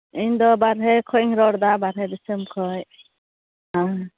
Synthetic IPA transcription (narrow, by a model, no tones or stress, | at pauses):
ind̪ɔbaɾɦɛkʰɔjŋɾɔɾd̪abaɾɦɛd̪isɯmkʰɔj | ɦã